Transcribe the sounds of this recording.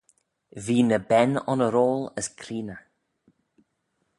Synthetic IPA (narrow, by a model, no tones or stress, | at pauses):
viːnəbɛnɔ̰nəɾoːləskʰɾiːnə